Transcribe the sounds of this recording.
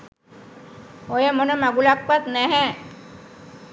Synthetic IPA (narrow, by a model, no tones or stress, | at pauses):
ojəmonəmaɡulakʋat̪nɛɦɛ